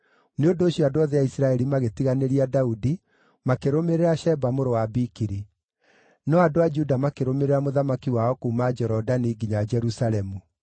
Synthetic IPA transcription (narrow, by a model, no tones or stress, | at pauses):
neondoːɕiadoaðeaisiɾaɛɾimaɣetiɣaneɾiadaudi | makeɾomeɾeɾaʃɛbamoɾowabikiɾi | nɔadoad͡ʒudamakeɾomeɾeɾamoðamakiwaɔkoːmad͡ʒɔɾɔdaniːɡiɲad͡ʒɛɾusalɛmu